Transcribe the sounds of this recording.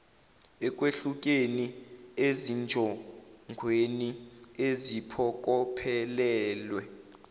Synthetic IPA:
ɛk̬ʼweɬuk̬ʼeniezind͡ʒʱɔŋɡʱweniezipʰɔk̬ʼɔpʰɛlɛːlwɛ

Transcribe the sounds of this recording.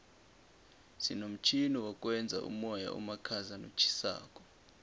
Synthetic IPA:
sinom̩t͡ʃʰiniwakʼwɛnd͡zʱa̰ʔṵmɔja̰ʔṵmakʰazano̰t͡ʃʰi̥sa̰ːkʼɔ̥

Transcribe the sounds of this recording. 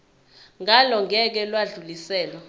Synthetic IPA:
ŋʱalɔŋɛk̬ɛlwaɮulisɛːlɔ

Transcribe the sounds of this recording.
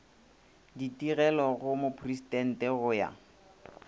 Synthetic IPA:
ditiɣɛlɔɣʊmopʰristɛn̩tɛɣʊja̰

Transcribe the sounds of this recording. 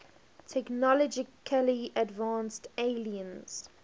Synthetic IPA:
tʰɛknɔlɔd͡ʒɪkʰəliʔədvãːnsteɪliə̃nz̥

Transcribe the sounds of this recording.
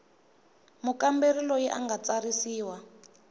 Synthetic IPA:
mukamberilɔjɛʔa̰ŋɡat͡saɾisiːwa

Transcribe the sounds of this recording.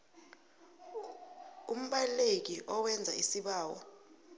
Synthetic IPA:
um̩ɓalek̬iʔɔwɛnd͡zʱaisiɓaːwɔ

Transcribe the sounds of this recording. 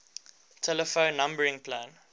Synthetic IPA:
tʰɛləfõʊ̃nːãmbəɹɪ̃ŋpʰlãːn

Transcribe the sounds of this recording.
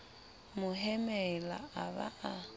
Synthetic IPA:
mʊɦɛmɛla̰aβa̰a

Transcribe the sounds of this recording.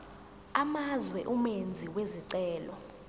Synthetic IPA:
amazwɛʔumend͡zʱiweziǀɛːlɔ

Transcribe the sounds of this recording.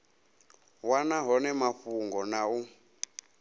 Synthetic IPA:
wanaɦɔnɛmaɸuŋɡɔnau

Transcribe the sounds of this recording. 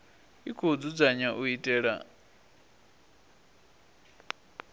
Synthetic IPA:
ikʰod͡zud͡zaɲaʔuitʼɛːɺa̰

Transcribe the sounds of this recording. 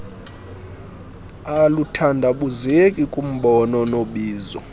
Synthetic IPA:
alutʰandʱaɓuzekʼikʼum̩ɓɔnɔnoɓiːzɔ̰

